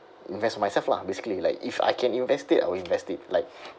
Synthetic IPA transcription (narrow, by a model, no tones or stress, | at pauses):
ĩnvɛstmajsɛlfla̰besi̥kəlilaɪkifa̰jkʰɛ̃nĩnvɛstita̰jwilĩnvɛstɪt̚laɪk̚